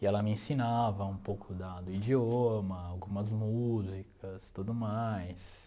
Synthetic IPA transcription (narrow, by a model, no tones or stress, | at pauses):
ɪɛlɐmɪẽsinavɐũpowkʰʊd̪ad̪ʊid͡ʒiomɐawɡũmɐzmuzikʰɐst̪ud̪ʊmajs